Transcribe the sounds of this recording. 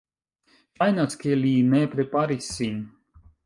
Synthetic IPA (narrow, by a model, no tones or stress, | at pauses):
ajnat̪skʲelʲiːnɛːpɾepaɾisin